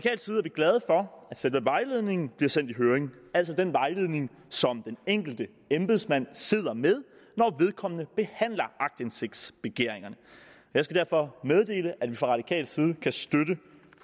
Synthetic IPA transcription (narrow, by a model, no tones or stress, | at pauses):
ɑ̥̈ikʰɛ̰ːl̥siðˠæɐb̥iɡ̥lɛð̞ˠəfɒ̽æd̥sed̥ʋeʋɑ̈ɪle̝ðˠne̝ŋn̩b̥liɐsen̰d̥iɦøːɐʁeŋæl̰sɒ̽d̥enʋɑ̈ɪle̝ð̞̰ˠne̝ŋ | sɒ̽md̥eneŋ̰ɡ̥l̩d̥ə | emb̥eð̩ˠsmæn̰se̝ð̞̰ˠɐmeð̞ˠ | nɒʋe̝ð̞ˠkʰɒ̽m̰ənəb̥e̝hæn̰lɐɑ̈ɡ̥̚d̥ense̝ɡ̥̚d̥sb̥e̝ɡ̥e̝ɐ̰e̝ŋɐnə | ɒjɑsɡ̥æd̥æɐfɒ̽með̞ˠd̥e̝̰ːləʔædʋifʁɑ̈ʁɑ̈d̥ikʰɛ̰ːl̥siːð̞̩ˠəkʰæsd̥ødə